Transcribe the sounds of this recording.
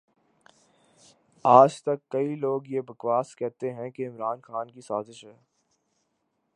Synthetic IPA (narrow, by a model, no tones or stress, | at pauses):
aːd͡ʒt̪ɐkːɐiloːɡjebɐkʋaːskɛɦt̪eɦɛ̃keɪmɾaːnxaːnkisaːzɪʃɦɛː